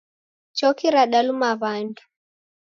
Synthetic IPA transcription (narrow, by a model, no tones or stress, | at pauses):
t͡ʃɔkiɾaɗalumaβandu̥